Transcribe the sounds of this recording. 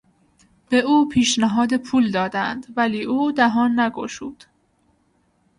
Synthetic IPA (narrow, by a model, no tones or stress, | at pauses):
b̥eʔuːpʰiːʃnæɦɒːd̪epʰuːld̪ɒːd̪ænd̪væliːʔuːd̪æɦɒːnːæɡo̰ʃuːd̪̥